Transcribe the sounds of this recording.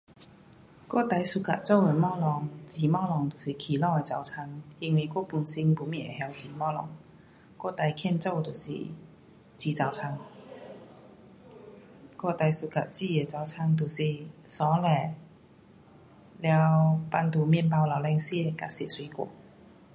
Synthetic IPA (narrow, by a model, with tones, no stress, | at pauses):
kɔ̰˥˨t̪a˧jsu˧˩ka̰˨t̚t͡so˥˨we˨˩mɔ˥lɔ˨˩ŋt͡ɕi˨˩mɔ˥˨lɔ˨˩ŋt̪u˨˩si˨˩kʰi˨˩lɔ˥˧˩e˨˩t͡sa˨˩wt͡sʰa˧ŋi˧ŋwi˧˩kɔ˥˧pu˧˩nsi˧ŋpu˨˧˦mi˥˩nḛ˨˩hja˧wt͡siː˨˩mɔ˥lɔ̰˨˩˦ŋ | kɔ˥˧t̪a˧jkʰɛ˥˧˨nt͡so˥˧˨t̪u˨˩sḭ˨˩ | t͡ɕi˧˩t͡sa˨˩wt͡sʰa˧ŋ | kɔ˥˧t̪a˧jsu˨˧˩ka˨˩t̚t͡si˥˩e˨˩t͡sa˨˩wt͡sʰa˧ŋt̪̬u˨˩si˨˩sɔ˨˦lɛ˨˩ | lja˧wpa˧nt̪u˧˩mjnpa˧wla˨˩wlɛ˧ŋsi˥e˨˧ka˨˧˩si˨˩t̚swi˧˥kɔ̰˧˩˦